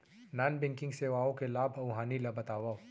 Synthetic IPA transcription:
naːnbɛ̃ŋkɪ̃ŋɡseːʋaːõkelaːbʱɐʊɦaːnilɐbɐt̪aːʋa

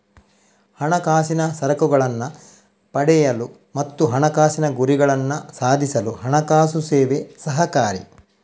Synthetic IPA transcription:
hɐɳɐkaːsinɐsɐɾɐkuɡɐɭɐnːɐ | pɐɽɛjɐlu | mɐt̪ːuɦɐɳɐkaːsinɐɡuɾiɡɐɭɐnːɐsaːd̪ʱisɐluɦɐɳɐkaːsuseːʋesɐɦɐkaːɾḭ

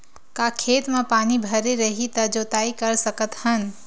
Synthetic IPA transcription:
kakʰeːt̪mẽpaːnibʱəɾeɾəɦit̪ɐd͡ʒoːt̪aːikəɾsəkət̪hən

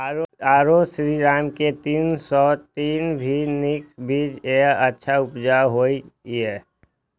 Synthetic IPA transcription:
aːɾosɾiːɾaːmket̪iːnsɔːt̪iːnbʱinɪkbʱiːd͡ʒeətːʃʰaʊpd͡ʒaɦoːiɛː

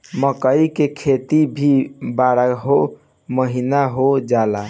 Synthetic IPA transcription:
məkəikekʰet̪ibʱibaɽaɦo | məɦinaɦod͡ʒala

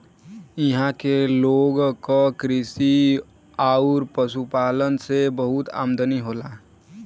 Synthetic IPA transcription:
ɪɦãkeloːɡkokɾɪsi | aːʊɾpəsupaːlənsebəɦʊt̪a̰ːmd̪əniɦoːlaː

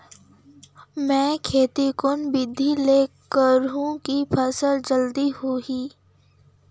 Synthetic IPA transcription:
mɛ̃ːkʰeːt̪ikʊnbɪd̪ʱːileːkəɾɦũkipʰəsəld͡ʒəld̪iɦuiː

